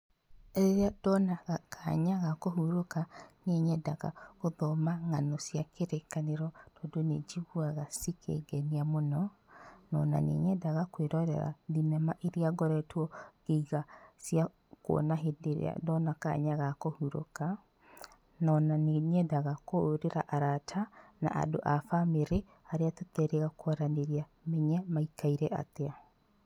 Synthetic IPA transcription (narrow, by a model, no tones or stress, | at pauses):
ɾeɾeadɔnaɣakʰaɲaɣakoɦuɾokaneɲɛdaɣa̰koðɔmaŋanɔsjakeɾekaneɾɔtɔdoned͡ʒiɣuaɣasikʰḛɡɛniamonɔnɔna̰nḛɲɛdaɣakweɾɔɾɛ̰ɾa̰ðinɛmaʔeɾiaɡɔɾɛtwɔɣ̥eɣasja | kwo̰naɦedeɾḛa̰dɔnaka̰ɲaɣakohuɾo̰ka | nɔnaneɲɛdaɣakoːɾeɾa̰ʔaɾatʰana̰ʔa̰doʔafameɾe | aɾeatotɛɾeɣakwaɾaneɾiamɛɲɛmaikaiɾɛʔa̰tea